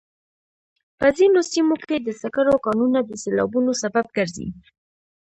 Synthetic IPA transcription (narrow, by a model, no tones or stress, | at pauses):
pəzinosimoked̪əsakaɾokɑnunad̪əselɑ̰bunosabab̚ɡəɾzḭ